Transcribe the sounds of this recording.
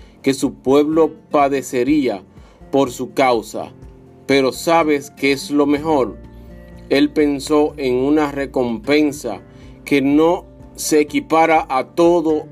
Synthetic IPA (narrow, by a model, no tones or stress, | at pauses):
ke̞supwe̞βlo̞paðe̞se̞ɾia | po̞ɾsukawsa̰ | pe̞ɾo̞saβe̞skeeslo̞me̞ɦo̞ɾ | e̞lpe̞nso̞ʔe̞ŋunare̞ko̞mpe̞nsa̰ | ke̞no̞ | se̞ːkipaɾaʔat̪o̞ðo̞